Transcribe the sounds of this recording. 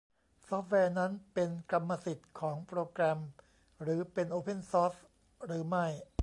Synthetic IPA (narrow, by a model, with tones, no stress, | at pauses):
sɔː˦˥p̚ʰwɛː˧na˦˥npe˧nkla˧mːa˧si˨˩t̪̚kʰɔː˩˦ŋpɾoː˧kɾɛ˧m | ɾɯː˩˦pe˧nʔoː˧pʰe˧˥˩nsɔː˦˥s | ɾɯː˩˦ma˥˩j